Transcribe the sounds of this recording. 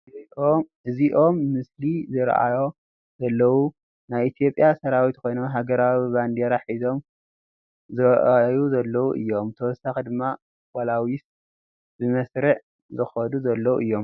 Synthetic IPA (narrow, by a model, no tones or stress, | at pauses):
ɨziʔo̞mːɨslizɨɾʔa̰jo̞ | zɐlːɐwu | najit̪ʰijo̞pʼjasɐɾawit̪kʰo̞jnomɦaɡɐɾaβiband̪eɾaħizo̞m | zɨɾʔajuzɐlːɐwuʔɨ̰jːo̞mt̪ʰɐwɔsaxid̪ɨmːa | walawis | bɨmɐsɾɨʕ | zɨxɐd̪uzɐlːɐwuʔɨjːo̞m